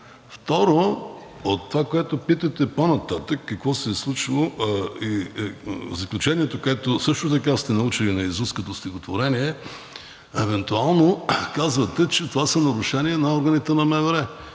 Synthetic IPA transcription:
ft̪ɔɾo | ot̪ːovakoɛt̪opit̪ɐt̪ɛponɐt̪at̪əkːɐkvɔsɛːslˠut͡ʃilˠoi | zɐklʲut͡ʃɛniɛt̪okoɛt̪osɤʃt̪ot̪̬ɐkast̪ɛnɐut͡ʃilinɐizuskət̪ost̪ʲixot̪voɾɛniɛ | ɛvɛnt̪ualˠnokazvɐt̪ɛt͡ʃɛt̪ovasɐnɐɾʊʃɛniɛnɐɔɾɡɐnit̪ɛnɐmɛvɛɾɛ

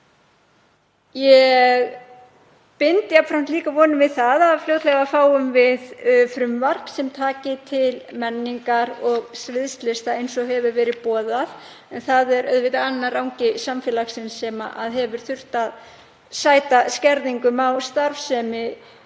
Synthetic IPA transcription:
jɛɣ | pɪnt̪ɪapfɾam̥t̪liːkavɔːnʏmvɪðθaðaðflowt̪lɛɣafaːwʏmvɪðfɾʏmvaɾ̥psɛmt̪ʰaːcɪt̪ʰɪlmɛnːiŋkaɾɔɣsvɪðst̪lɪst̪aejnsɔɦɛvʏɾvɛːɾɪðpɔːðað | ɛnθaðɛɾʔœ̰ðvɪt̪anːaɾawŋcɪsamfɛːlaxsɪnsɛma̰ʔaðɦɛvʏɾ̥θʏr̥t̪að | saːjt̪ascɛɾðiŋkʏmawst̪aɾfsɛmɪ

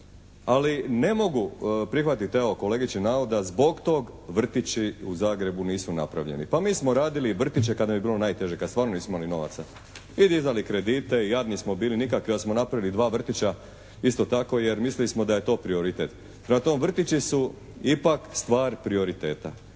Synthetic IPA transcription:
aline̞mo̞ɡupɾixʋat̪it̪eoko̞leɡit͡ɕinaod̪azbo̞ɡt̪o̞ːɡ | ʋr̩t̪it͡ɕiuzaːɡɾe̞buniːsunapɾa̰ʋʎḛnḭpamiːsmo̞ɾaːd̪iliʋr̩t̪it͡ɕekad̪abibiːlo̞naːjt̪e̞ʒekad̪saːɾno̞niːsmoimalino̞ʋa̰t̪sa | id̪izd̪alikɾe̞d̪iːt̪e̞ijaːd̪nismobiːlinikakʋiosmonapɾaʋilid̪ʋaːʋr̩t̪it͡ɕa | ist̪o̞t̪ako̞je̞ɾmislilismo̞d̪aje̞t̪o̞ːpɾio̞ɾit̪et̪ | pɾmat̪oːmʋr̩t̪it͡ɕisu | ipakst̪ʋaːɾpɾio̞ɾit̪e̞ːt̪a

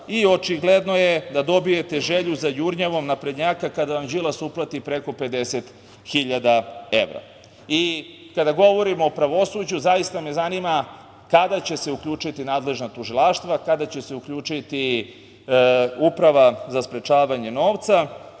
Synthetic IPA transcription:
io̞t͡ʃiɡled̪nojed̪ad̪o̞bijet̪e̞ʒeʎuzajuɾɲeʋo̞mnapɾed̪ɲaːkakad̪aʋamd͡ʑilˠasuplˠat̪ipɾe̞ko̞pe̞d̪eset̪ | xiʎad̪ae̞̰ʋɾa̰ | i | kad̪aɡo̞ʋo̞ɾimoːpɾaʋo̞sud͡ʑuzajist̪ame̞zanima | kad̪at͡ɕe̞se̞ukʎuːt͡ʃit̪inaːd̪le̞ʒnat̪uʒilˠaʃt̪ʋakad̪at͡ɕe̞se̞ukʎuːt͡ʂit̪i | upɾaʋazaspɾe̞t͡ʃaːʋaɲe̞no̞ːʋt̪sa

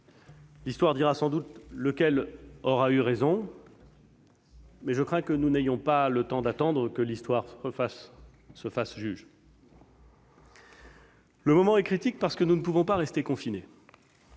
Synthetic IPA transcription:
list̪waʁd̪iʁasɑ̃d̪ut̪ləkʲɛlɔʁayʁezɔ̃ | mɛʒəkχɛ̃kənunejɔ̃palət̪ɑ̃d̪at̪ɑ̃d̪ʁəkəlist̪waʁfasː | əfasʒyʒ | ləmɔmɑ̃ɛkχit̪ik̚paʁsə̥kənunəpuvɔ̃paʁɛst̪ekɔ̃fine

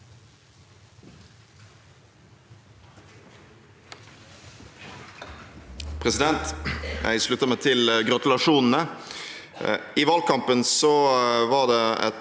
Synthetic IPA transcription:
pʰʁɛsɪd̪ɛnt̪jæ̰ɪʂɭʉt̪ːəmeːt̪ʰɪlɡʁɑt̪ʉlɑʂuːnn̩ə | iːʋɑːlkɑmpənsɔʋɑʁd̪eːɛ̰

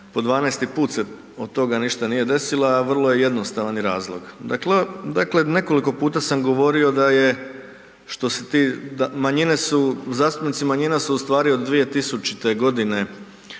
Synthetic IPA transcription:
po̞d̪ʋaːnɛest̪ipuːt̪se | od̪̚t̪ːo̞ɡaniʃt̪aniːje̞d̪e̞silaːʋr̩lˠo̞jeje̞d̪nost̪aʋaniɾaːzlˠo̞ɡd̪akled̪akle̞ne̞ko̞liko̞puːt̪asamɡo̞ʋo̞ɾio̞d̪aje̞ | ʃt̪o̞set̪iːd̪amaɲine̞suzaːst̪upnit̪imaɲinasuust̪ʋaːɾiod̪ːʋije̞t̪isut͡ʃit̪e̞ɡo̞d̪ine̞

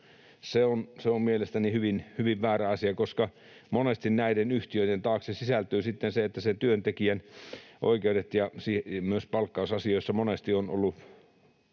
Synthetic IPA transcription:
seonseommielest̪ænihyʋinhyʋiʋʋæːræɑsiɑkoskɑ | monest̪innæidenyht̪iøitent̪ɑːksesisælt̪yːsit̪ːenseet̪ːæsent̪yønt̪ekiænʔo̰ikeudet̪jɑsiːmyøspɑlkːɑusɑsioisːɑmonest̪iono̰lːu

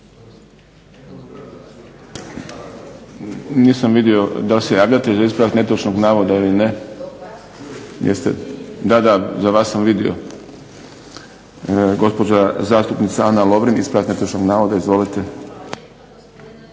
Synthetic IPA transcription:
niːsamʋid̪io̞d̪alsejaːʋʎat̪ezaispɾat̪net̪ot͡ʃnoɡnaːʋod̪ailine | jḛst̪ed̪ad̪azaʋaːsːamʋid̪io̞̰ | ɡo̞spo̞d͡ʑazaːst̪upnit̪saanalˠo̞ʋɾinḭspɾat̪net̪ot͡ʃnoɡnaːʋod̪aizʋolit̪e

